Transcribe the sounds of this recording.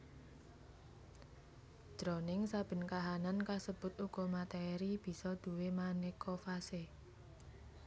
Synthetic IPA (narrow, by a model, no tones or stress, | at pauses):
d̥ɾɔnɪŋsab̥ə̤nkaɦanankasəb̥ʊ̤t̪uɡ̥ɔ̤mat̪eɾib̥i̤sɔd̪̥ṳwemanekʰofase